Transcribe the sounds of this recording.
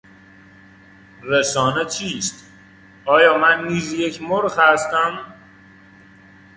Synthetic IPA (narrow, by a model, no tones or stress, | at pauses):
ɾesɒːnet͡ʃʰiːst̪ | ɒːjɒːmænːiːzjecʰmoɾxhæst̪æm